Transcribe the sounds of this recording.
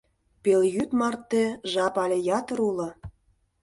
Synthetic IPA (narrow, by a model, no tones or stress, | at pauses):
peljyt̪mɑrt̪ːĕʒɑpɑlʲĕjɑt̪ə̆ɾulɤ̆